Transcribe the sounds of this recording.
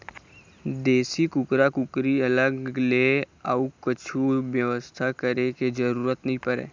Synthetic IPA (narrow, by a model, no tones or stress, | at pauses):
d̪eːsikʊkɾakʊkɾiɐləɡleaukət͡ʃʰuʋjəʋəst̪ʰakəɾeked͡ʒəɾuːɾət̪nɐɦĩpəɾḛ̃ː